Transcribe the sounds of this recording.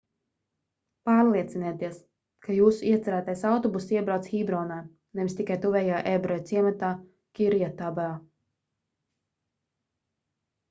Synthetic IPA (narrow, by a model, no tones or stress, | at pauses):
paːɾlˠiɛt̪sinɛːt̪iɛs | kajuːsuiɛt̪sɛɾaːt̪ajsawt̪ɔbusiɛbɾawt̪sxibɾɔːnaː | nɛvist̪ikajt̪uvʲɛjaːʔɛbɾɔjt̪siɛmat̪aː | kʲiɾjat̪abɛlˠ